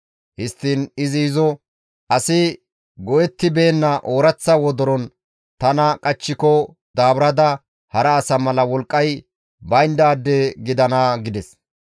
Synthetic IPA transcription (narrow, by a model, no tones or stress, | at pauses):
hɪst̪ːiːnɪzɪɪzɔ | ʔɐsɪ | ɡɔjɛt̪ːɪbe̞ːnːɐʔoːɾɐt͡sːɐwɔd̪ɔɾɔn | t̪ɐnɐkʼɐt͡ʃːɪkɔ | d̪aːbɾɐd̪ɐ | hɐɾɐːsɐmɐlɐwɔlkʼːɐj | bɐjnd̪aːd̪ːeɡɪd̪ɐnaɡɪd̪ɛs